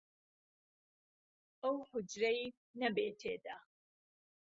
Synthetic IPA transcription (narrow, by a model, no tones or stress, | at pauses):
ʔɐwhʊd͡ʒɾej | nɐbeːt̪ʰeːd̪a